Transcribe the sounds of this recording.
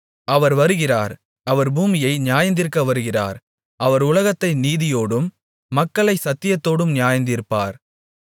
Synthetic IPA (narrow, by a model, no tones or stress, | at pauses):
ɐʋɐɾʋɐɾɯɣɪraːɾ | ɐʋɐɾbuːmɪjɐɪnɪjaːjɐnd̪ɪɾɯkːɐʋɐɾɯɣɪra̰ːɾ | ʔɐʋɐɾʊlɐɣɐt̪ːɐɪniːðɪjoːɽɯmː | ɐkːɐɭɐɪsɐt̪ːɪjɐt̪ːoːɽɯmnɪjaːjɐnd̪ɪɾpːa̰ːɾ